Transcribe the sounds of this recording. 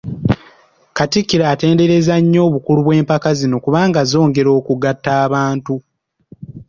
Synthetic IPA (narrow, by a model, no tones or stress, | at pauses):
katikːiɾaːte̞ːnde̞ɾe̞zaɲːo̞ːβukuluβwe̞ːmpakazino̞kuβaːŋɡazo̞ːŋɡe̞ɾo̞ːkuɡatːaːβaːntu